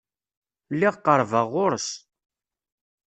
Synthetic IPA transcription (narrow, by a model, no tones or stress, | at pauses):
lːɪʁqːəɾˤvəʁːʊɾs